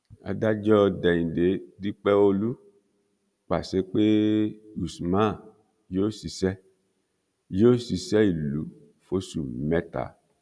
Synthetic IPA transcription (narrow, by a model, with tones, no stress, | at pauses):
a̰˧da˦d͡ʒɔ˦˧dɛ˨ĩ˨de˨˦di˦k͡pɛ˦o˧lu˦ | k͡pa˨se˨˦k͡pe˦u˨smã˦˨ | jo˦si˧sɛ˦ | jo˦si˧sɛ˦i˨lu˨˦ | fo˦su˨mɛ˦ta̰˨